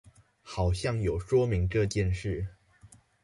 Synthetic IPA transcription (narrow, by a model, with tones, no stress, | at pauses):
xɑ˨˩ʊɕjɑ˥˩ŋjo˨˩ʊʂwɔ˥mi˧˥ŋʈ͡ʂɤ˥˧t͡ɕjɛ˥˧nʂɻ̩˥˩